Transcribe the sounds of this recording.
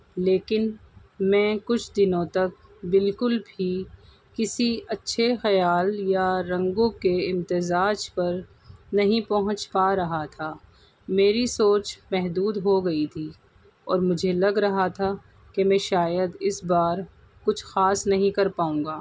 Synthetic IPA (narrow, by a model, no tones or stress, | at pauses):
leːkɪnmɛ̃ːkʊt͡ʃʰd̪ɪnõt̪ɐk̚bɪlkʊlbʱi | kɪsiɐtːʃʰexɐjaːljaɾɐ̃ŋɡõkeɪ̃mt̪ɪzaːd͡ʒpɐɾ | nɐɦĩpɐɦʊ̃t͡ʃpaɾɐɦat̪ʰaː | meːɾisoːt͡ʃmɛɦd̪uːd̪ɦoɡɐit̪ʰiː | ɔːɾmʊd͡ʒʱelɐɡɾɐɦat̪ʰa | kemɛ̃ːʃaːjəd̪ɪsbaːɾ | kʊt͡ʃʰxaːsnɐɦĩkɐɾpaːũːŋɡaː